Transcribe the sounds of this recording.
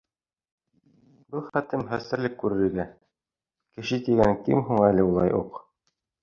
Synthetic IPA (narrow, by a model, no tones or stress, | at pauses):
bɤlˠχæt̪ɘmχæst̪ɘ̆ɾlɘkːʉɾɘ̆ɾɘ̆ɡæ | kɘ̆ʃɘt̪iɡæŋkɘ̰mɦuɴælɘulˠɑ̰jʔuq